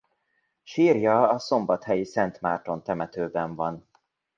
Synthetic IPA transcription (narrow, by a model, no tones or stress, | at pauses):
ʃiːrjɒːso̞mbɒt̪hɛjisɛnt̪maːrt̪o̞nt̪ɛmɛt̪øːbɛɱvɒn